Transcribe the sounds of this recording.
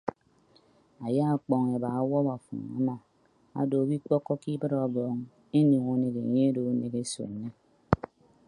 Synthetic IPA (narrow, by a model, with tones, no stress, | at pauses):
a˨ja˦a˨k͡pɔ˨ŋe˨ba˨a˦wɔ˦ba˨fṵ˨ŋ˨a̰˨ma˨ | a̰˨do˨bi˦k͡pɔ˦kːɔ˦ki˦bɨ˦ɾɔ˨bɔ˨ŋ | e˦no˨ŋo˦ne˨ke˨ɲe˦e˦do˨˦ne˨ke˦so̰˨n̩˨˦ne˦